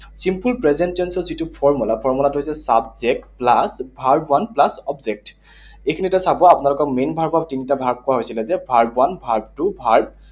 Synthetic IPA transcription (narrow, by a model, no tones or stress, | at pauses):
simpulpɹɛzentiɔnsɔzitupʰɔɹmulapʰɔɹmulatʊɦojsɛsabzɛk̚tplasbʱaɹbwanplasɔbzek̚t | ejkʰinitasabɔapʊnalʊkɔkmenbʱaɹbʱab̚tinitabʱaɹb̚kɔwaɦojsilɛzɛbʱaɹbwanbʱaɹb̚tubʱaɹb